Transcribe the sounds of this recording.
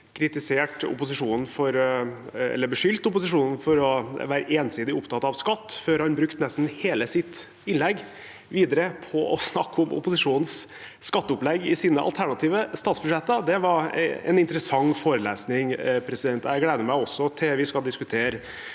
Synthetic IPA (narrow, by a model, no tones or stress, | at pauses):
kʰɾɪt̪ɪseːʈʊ̰pʊsɪʂuːnn̩fɔɾ | ɛ̰lːəbəʂʏlt̪ʊpʊsɪʂuːnn̩fɔɾɔʋæːɾəʔeːnsiːd̪ɪʊpt̪ʰɑt̪ɑʋskɑt̪ːføːɾhɑnbɾʉkt̪nɛst̪n̩heːləsɪt̪ | ɪnlɛɡ | ʋiːd̪əɾəpʰɔʔɔ̰snɑkːɔmʊ̰pʊsɪʂuːnns | skɑt̪ːəʊplɛɡːɪsiːnəʔɑ̰lt̪ʰæɳɑt̪ʰiːʋəst̪ɑːt̪sbʉʂɛt̪ːəd̪ɛʋɑɾɛ̰nɪnt̪əɾəsɑŋːfoːɾəleːsnɪŋpʰɾɛsɪd̪ɛnt̪ɛɪɡleːd̪əmæɪɔsːɔt̪ʰɛʋɪskɑld̪ɪskʉt̪ʰeːɾə